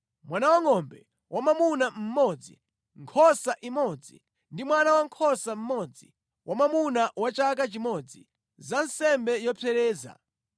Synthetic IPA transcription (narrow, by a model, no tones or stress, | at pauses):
mwanawaŋɔmbɛ | wʔamamunam̩mɔd͡zḭ | ŋkʰɔsaʔimɔd͡zḭ | ndimwanawaŋkʰɔsam̩mɔd͡zi | wʔamamunawat͡ʃak̬at͡ʃimɔd͡zi | zansɛmbɛjɔpʰɛɾɛːza̰